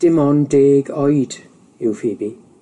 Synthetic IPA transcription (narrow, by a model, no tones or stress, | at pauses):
d̥ɪmɔndeːɡɔjd | ɪwfɪːbi